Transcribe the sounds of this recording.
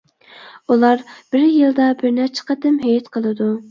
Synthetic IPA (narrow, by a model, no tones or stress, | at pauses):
ulˠɑɾb̥ɪɾjɨlˠd̪ɑbɪɾnæɾt͡ʃʰə̥qʰət̪ɪmɦɛjɛt̪qʰəlˠɨd̪u